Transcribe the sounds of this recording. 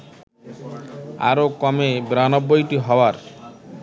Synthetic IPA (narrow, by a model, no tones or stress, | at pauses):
a̰ɾokɔmebɾanɔbːojʈiɦɔwaɾ